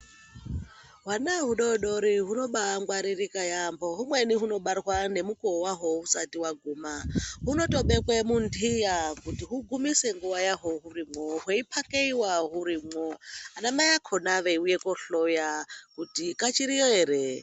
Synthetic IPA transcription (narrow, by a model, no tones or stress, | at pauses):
ɦwanaɦuɗoɗoɾiɦunoɓaŋɡwaɾirikajamboɦumweniɦuno̞ɓarwane̞mukowaɦousatiwaɡʱuːmaɦunotoɓekwemundʱijakutiɦuɡumiseŋɡuwajaɦoɦuɾimoɦeipʰakeiwaɦuɾimwoanamajakʰonaʋeujekoɬojakutikat͡ʃiɾijoɦeɾe